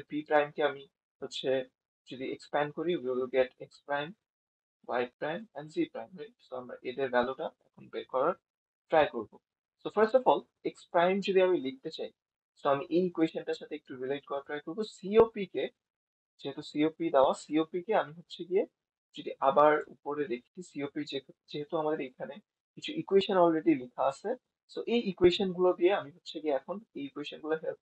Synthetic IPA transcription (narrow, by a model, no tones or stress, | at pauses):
pipɾajmkeami | hotːɕʰe | d͡ʑod̪iḛkspɛnɖ̚koɾiwiwilɡeʈekspɾajm | wa̰jɖ̚pɾajmɛ̃ɳɖsipɾajmɦojsoamɾa̰ʔed̪eɾɡaloʈaɛ̰kʰonpeɾkɔɾaɾ | pɾajkoɾbo | sofɐɾsʈɔfɔl | ekspɾajmd͡ʑod̪iamilik̚t̪et͡ɕaj | soamiʔejkweʃonʈaʃat̪ʰeek̚ʈuɾilekɔɾaɾʈɾajkoɾbosiopike | d͡ʑeɦet̪usiopid̪ɛoasiopikeamiɦotːɕʰeɡije | d͡ʑod̪iʔabaɾṵpoɾed̪ekʰi̥t͡ɕʰisiopid͡ʑed͡ʑeɦet̪uamad̪eɾejkʰane | kit͡ɕʰuʔikueʃonɔlɾeɖilikʰaat͡ɕʰe | soʔejikueʃonɡulod̪ieamiɦotːɕʰeɡieɛkʰonejikueʃonɡuloɦelp